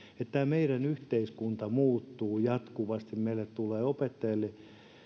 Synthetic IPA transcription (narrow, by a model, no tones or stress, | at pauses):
et̪ːæːmeiɾænyht̪eiskunt̪ɑmuːt̪ːuːjɑt̪kuʋɑst̪immeilːet̪t̪uleːopet̪ːɑjɑlːe